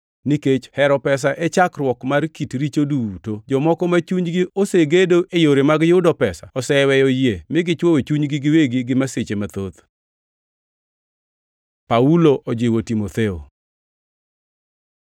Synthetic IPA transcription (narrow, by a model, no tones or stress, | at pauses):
niket͡ʃhɛɾɔpɛs̬aʔet͡ʃakrwɔkmarkitɾit͡ʃoduutod͡ʒɔmɔkɔmat͡ʃuɲɡioseɡedoʔejoɾemaɡjʊdɔpɛsaɔsɛwɛjɔjemɪɡɪt͡ʃwowet͡ʃuɲɡɪɡɪweɡiɡɪmaset͡ʃemat̪ot̪ | pauloʔod͡ʒɪwotimot̪eo̰